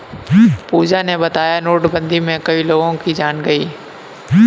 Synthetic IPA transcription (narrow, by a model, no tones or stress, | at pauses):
puːd͡ʒanebɐt̪aːjanoːʈbə̃nd̪ʱimẽkɐiloːɡõkid͡ʒaːnɡɐiː